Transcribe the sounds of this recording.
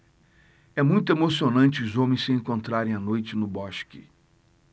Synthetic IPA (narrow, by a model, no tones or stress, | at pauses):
ɛmũj̃t̪ʊemosionɐ̃nt͡ʃɪʊzõmẽj̃sɪẽŋkõnt̪ɾaɾẽj̃anojt͡ʃɪnʊbɔʃkɪ̰